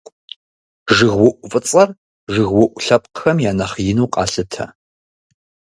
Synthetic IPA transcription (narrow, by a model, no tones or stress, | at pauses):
ʐɨɣwʊʔʷʊfʼɨt͡sʼɐr | ʐɨɣwʊʔʷɬɐpʼqxɐmjaːnɐχjɪnuːqʼɑ̰ːɬɨtʰɐ̰